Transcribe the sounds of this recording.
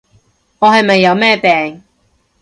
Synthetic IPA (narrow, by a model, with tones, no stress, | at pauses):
ŋɔː˨˧hɐ˨jmɐ˨jːɐ˨˧wmɛː˥pɛː˨ŋ